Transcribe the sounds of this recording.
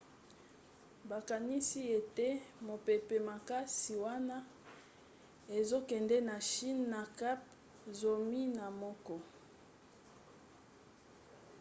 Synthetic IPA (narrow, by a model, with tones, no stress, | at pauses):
ba˨ka˨ni˦si˦e˨te˦mo˨pe˨pe˨ma˨ka˦si˨wa˦na˦ | e˨zo˦kɛ˨ndɛ˦na˨ʃi˦nːa˨ka˦p̚ | zo˨mi˦na˨mɔ˦kɔ˦